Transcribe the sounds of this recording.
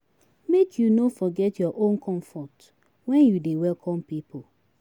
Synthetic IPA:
mekʰjunofɔɡɛtjɔʔõnkɔ̃ɱfɔt | wɛ̃njudewɛlkʰɔ̃mpipo

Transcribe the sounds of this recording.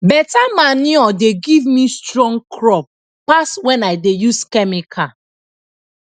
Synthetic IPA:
bɛtamaniɔdeɡivmistɹɔ̃ŋɡkʰɹɔp̚ː | aswɛ̃naɪdejuskɛmikʰa

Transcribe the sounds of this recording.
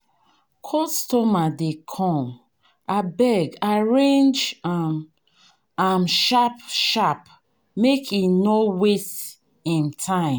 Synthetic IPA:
kʰɔstɔmadekʰɔ̃m | abɛɡaɹẽnd͡ʒa | amʃapʃap | mekʰinowest | ĩntʰãɪ̃

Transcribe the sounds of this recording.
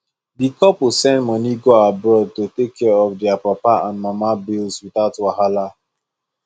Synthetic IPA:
dikɔpsɛ̃ndmɔniɡoabɹɔd̚totekʰːɛɹɔfdɛapapaãnmamabilswiθaʊtwahala

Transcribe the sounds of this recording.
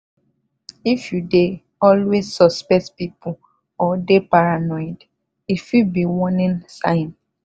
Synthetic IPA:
ifjude | ɔlwezsɔspɛk̚tpipu | ɔdepaɾanɔɪd | ifubiwɔ̃nĩnsãɪn

